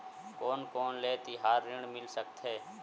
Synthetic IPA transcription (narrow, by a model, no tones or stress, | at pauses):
koːnkoːnleːt̪iɦaːɾːɪɳmɪlsək̚t̪ʰɦɛː